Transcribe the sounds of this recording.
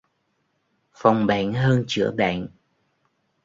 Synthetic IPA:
fa˨˩wŋ͡mɓa̰ː˧˨nɦəː˧nt͡ɕɨ̰˧˥əɓa̰ː˧˨n

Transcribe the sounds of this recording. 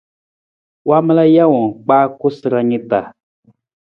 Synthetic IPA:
wa˦mə˦la˦ja˦wɔ˨k͡paː˦ko˦sɨ˨ɾa˦ɲi˦ta˨

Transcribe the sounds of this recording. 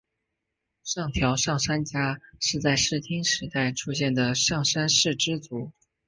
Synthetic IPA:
ʂɑ˥˩ŋt̪ʰjɑ˧˥ʊʂɑ˥˩ŋʂa˥nt͡ɕja˥ʂɻ̩˥˧t͡sa˥˧ɪʂɻ̩˥˩t̪ʰi˥ŋʂɻ̩˧˥t̪a˥˩ɪʈ͡ʂʰu˥ɕjɛ˥˩nd̪ə˩ʂɑ˥˩ŋʂa˥nʂɻ̩˥˩ʈ͡ʂɻ̩˥t͡su˧˥

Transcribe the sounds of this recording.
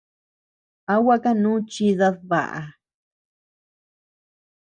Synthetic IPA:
a˦wa˦ka˦nũː˦t͡ʃi˧ða˧ðβa̰˨ʔa̰˨

